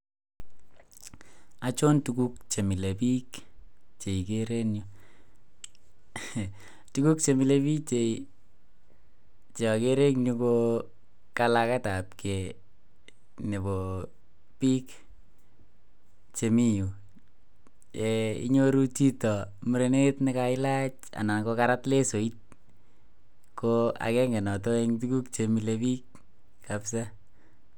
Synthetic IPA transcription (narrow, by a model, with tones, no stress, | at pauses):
a˨t͡ʃo˦ntuku˦k̚t͡ʃe˨mi˨le˨pi˦kt͡ʃe˨ikeɾe˦kɲu | tu˦ku˦k̚t͡ʃe˨mi˨le˦pi˦kt͡ʃe˨i | t͡ʃe˨keɾe˦kɲuko | ka˦laka˦ta˨p̚ke˨ | ne˨bo˨ | pi˦k | t͡ʃe˨mi˦ju˨ | e˨ḭ˦ɲo˦ɾu˦t͡ʃi˦tɔ˨mu˨ɾe˨ne˦tnɪ˦ka˧ɪ˦la˦t͡ʃ | a̰˨na˨nko˧kaɾa˦tle˦so˨i˦t̚ | koa̰˨kɛ˦ŋɡe˨nɔ˨to˦e˦ŋtu˦ku˦kt͡ʃe˨mi˨lepi˦k | kapsa˦